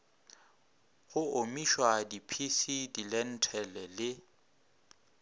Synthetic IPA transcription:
ɣʊomiʃwadipʰisidilɛn̩tʰɛlɛlɪ

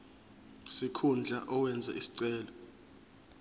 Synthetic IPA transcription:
sikʰund͡ɮʱaʔɔwɛnd͡zʱɛ̰ʔisi̥ǀɛːlɔ

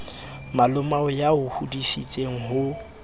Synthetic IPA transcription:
malʊmaɔjaʊhudisit͡sʼeŋ̩ɦʊ

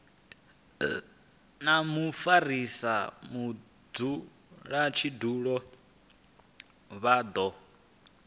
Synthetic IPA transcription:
namufaɾisamu | d͡zu | ɺat͡ʃʰiduːɺɔ | βaːd̪ɔ

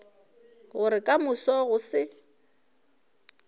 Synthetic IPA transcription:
ɣʊɾɪkʼamʊsɔɣʊsɪ

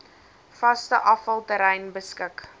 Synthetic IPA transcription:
fɐstəʔɐfɐlˠtəɾɛjnbəskək

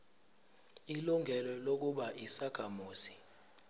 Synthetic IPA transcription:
iluŋʱɛlɔlok̬uɓaʔisakʰamuːsi̥

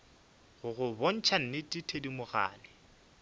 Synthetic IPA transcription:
ɣʊɣʊbon̩t͡ʃʰan̩nɪtʼitʰedimʊɣa̰ːnɪ

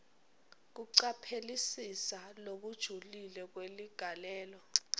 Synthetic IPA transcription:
k̬uǀapʰelisisalok̬ud̥ʒ̥ʱulilɛk̬weliɡ̥ʱalɛːlɔ

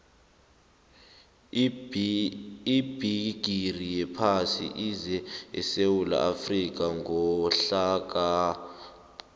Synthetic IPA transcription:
ib̥ʱiɡ̥ʱirijɛpʰasḭʔizɛɛ̰sewula̰ʔafrik̬aŋɔɬak̬a

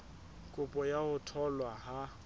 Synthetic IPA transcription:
kʼʊpʼɔjahʊtʰɔlwaɦa

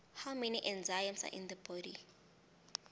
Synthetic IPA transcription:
hawmɛniʔɛ̃nzajə̃msa̰ʔḭ̃ndəbɔɾi

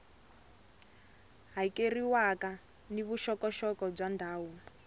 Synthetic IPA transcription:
ɦaikeriwaka | niβuʃɔkɔʃɔkɔb͡ʐwandʱaːwu

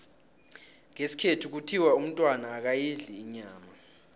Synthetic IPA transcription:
ŋesi̥kʰetʰuk̬utʰiwaum̩tʼwanaːk̬ajiɮiːɲaːma

